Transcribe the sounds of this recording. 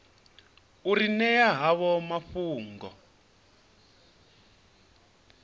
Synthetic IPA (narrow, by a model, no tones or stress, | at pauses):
uɾinɛjaɦaβɔmaɸuːŋɡɔ